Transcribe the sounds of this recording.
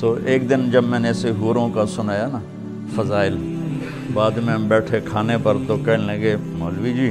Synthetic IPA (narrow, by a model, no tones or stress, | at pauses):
t̪oːʔeːk̚d̪ɪnd͡ʒəbmɛ̃ːneseɦuːɾõːkasʊnaːjaːnaː | fʰəzaːɪl | baːd̪mɛ̃ːbɛːʈʰeːkʰaːnepəɾt̪oːkɛɦnləɡeːmoːlʋiːd͡ʒiː